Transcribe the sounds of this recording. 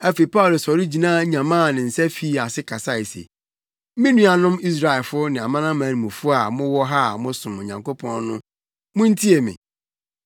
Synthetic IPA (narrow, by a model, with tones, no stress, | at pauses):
æ˦fe˨i˨pa˦ʊ˨lo˨sɔ˨ɾi˦d͡ʑi˨nãː˦ɲã˨mãː˦˨nɪ̃˨n̩˨sɛ˦fi˦a˨sɪ˦kʰa˨sa˦˨e˨sḛ˨˦ | mĩ˦nũ˦a˨nʊ̃˦mi˦s̬ɾa˨ɪ˨lfʊ˦nɪ̃˨a˨mã˦nã˦mãː˨˦nĩ˨mũ˨fʊ˦a˨mʊ̃˦wɔ˦ɦa˦mʊ̃˦sʊ̃˨m˨ɲã˨ŋko˦pʰɔ̃˦n˦nʊ̰̃˦ | mʊ̃˦n̩˦tʰi˦e˨mɪ̰̃˨